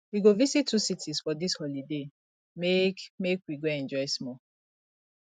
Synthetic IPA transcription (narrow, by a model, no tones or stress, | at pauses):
wiɡovisitʰːusitʰisfɔdishɔlide | mekmekwiɡoɛ̃nd͡ʒɔjsmɔ